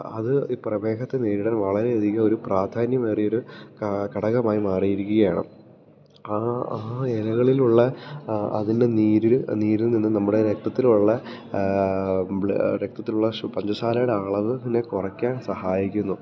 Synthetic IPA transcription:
ɐ̰ðɨiprɐʋe̞ːɡɐt̪ːe̞neːɾiɽɐnʋɐɭɐɾe̞ɐd̪ʱiɣɐo̞ɾupraːd̪ʱaːnjɐmeːrio̞ɾukkɐɽɐɣɐmaːjimaːrijiɾukʲːuɣɐjaːɳɨ̰ | aaːelɐɣɐɭiluɭːɐɐ̰ðinde̞niːɾilniːɾilninːɨnɐmːuɽe̞ɾek̚t̪ɐt̪ːiluɭːɐ | ɾek̚t̪ɐt̪ːiluɭːɐpɐɲd͡ʑɐʂaːlɐjɽeaːɭɐʋɨinekurɐkʲːaːnsɐhaːjikʲːunːu

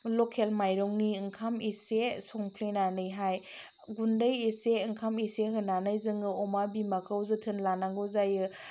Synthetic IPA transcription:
lɔkʰelmajɾɔŋniɯŋkʰamisesɔŋpʰlinanɯjɦaj | ɡundəjiseɯŋkʰamiseɦɯnanajzɯŋɡɯɔmabimakʰawzɯtʰɯnlanaŋɡɯzajɯ

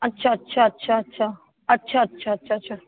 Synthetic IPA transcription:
ətːʃʰaətːʃʰaətːɕʰaətːʃʰa | ətːʃʰaətːɕʰaətːʃʰaətːɕʰa

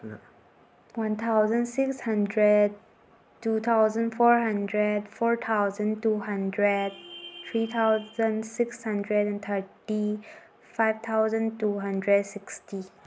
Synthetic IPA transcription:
wãnt̪ʰaʊzə̃nsɪkshãndɹəd̚ | tːut̪ʰaʊzə̃nfɔɹhãndɹədfɔɹt̪ʰaʊzə̃ntuɦãndɹəd̚t̪ʰɹit̪ʰaʊzə̃nsɪkshãndɹədɛ̃nt̪ʰəti | faɪvt̪ʰaʊzə̃ntuɦãndɹədsɪksti

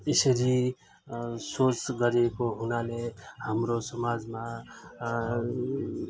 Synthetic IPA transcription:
ɪsɾi | sosɡəɾekoɦʊnalehəmɾosəmaːd͡ʒmã

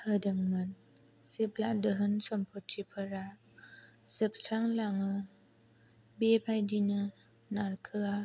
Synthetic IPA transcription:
hədəŋmɯn | sip̚laʔdəɦɯnsɔmpʰɔtʰipʰəɾa | sip̚sʰaŋlaŋɯ | bepʰajdinɯ | naɾkʰɯa

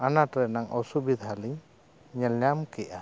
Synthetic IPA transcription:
anatɾɛnaŋɔsubid̪ɦaliɲ | ɲɛlɲamkɛʔa

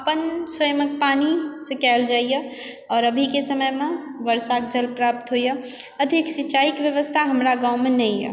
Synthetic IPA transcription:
əpənsəjmək̚panisə̃kɛːld͡ʒaːijə | ɔːɾəbʱikesəməjme | ʋəɾsakd͡ʒəlpɾap̚t̪ɦojə | əd̪ʱiksit͡ʃaikʋjəʋəst̪ʰaɦəmɾaɡãwmenɛijɛ̰

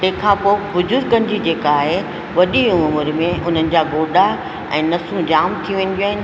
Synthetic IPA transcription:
t̪ɐ̃ɦkʰãːpoːbʊd͡ʑʊɾkɐ̃nɪ̆d͡ʑid͡ʑeːkaːɦe | ʋɐɗiʊmʊmʊɾmẽʊn̤ənɪ̆d͡ʑaːɡoːɖa | ɛ̰̃ːnɐsũd͡ʑaːmt̪ʰijũʋẽːn̆d̪ijwaːɦɪnɪ

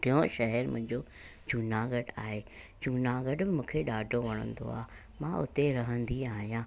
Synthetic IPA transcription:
ɾɪjõʃɐɦɛɾmʊ̃ɦɪ̃ɲd͡ʑo | d͡ʑuːnaɡəɖaːɦeː | d͡ʑuːnaɡəɖbɪmũːkʰeɗaːɖʱoʋɐɽ̃ə̰̃nd̪o̰a̰ː | mãʊ̰t̪eɾɐɦə̃nd̪iaːɦijãː

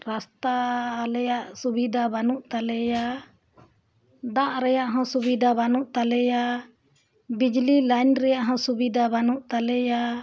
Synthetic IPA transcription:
ɾast̪aːlɛjaʔsubid̪ʱabanuʔt̪alɛja | d̪aʔɾɛjaʔɦɔ̃subid̪ʱabanuʔt̪alɛja | bid͡ʒlilajnɾɛjaʔɦɔ̃subid̪abanuʔt̪alɛja

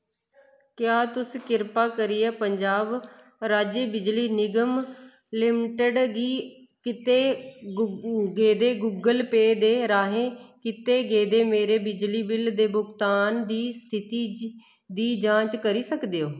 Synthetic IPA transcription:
kjaːt̪ʊsikɪɾpaːkəɾiːɛːpəɲd͡ʒaːb | ɾaːd͡ʒeːbɪd͡ʒliːnɪɡəm | lɪmʈəɖɡiː | kɪt̪eː | ɡeːd̪eːɡuɡəlpeːd̪eːɾaːɦẽːkɪt̪eːɡeːd̪eːmeːɾeːbɪd͡ʒliːbɪld̪eːbʊɡt̪aːnd̪iːst̪ʰɪt̪iː | d̪iːd͡ʒãːt͡ʃkəɾiːsəkd̪eːoː

